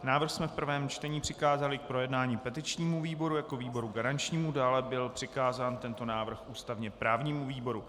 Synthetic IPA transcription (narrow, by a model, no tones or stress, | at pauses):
naːvr̩xsmɛfpr̩vɛːmt͡ʃt̪ɛɲiːpr̝̥ɪkaːzalɪk̚pɾo̞jɛdnaːɲiːpɛt̪ɪt͡ʃɲiːmuviːbo̞ɾujako̞viːbo̞ɾuɡaɾant͡ʃɲiːmudaːlɛbɪlpr̥ɪkaːzaːnt̪ɛnt̪o̞naːvr̩xʔuːst̪avɲɛpɾaːvɲiːmuviːbo̞ɾu